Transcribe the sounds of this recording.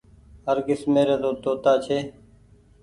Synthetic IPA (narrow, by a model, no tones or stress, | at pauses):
ɦəɾɡɪsmeːɾeːd̪oːt̪oːt̪aːt͡ʃʰeː